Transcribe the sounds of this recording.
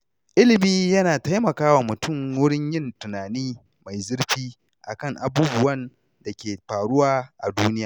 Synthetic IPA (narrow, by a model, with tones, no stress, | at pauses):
ʔɪ˦lɪ˨miː˦jɐ˦naː˨ta˦jmɐ˨kaː˦waː˨mʊ˨tʊ˦˨ŋwʊ˦ɽɪ˦ɲjɪ˦˨ntʊ˨naː˨niː˦ | ma˨jzɪ˦ɽɸiː˦ | ʔa˨kɐ˦˨ŋʔa˨buː˦bʊ˨wɐ˦n | da˨kʲeː˨ɸaː˨ɽʊ˦waː˦ʔa̰˨duː˦nɪ˦jaː˨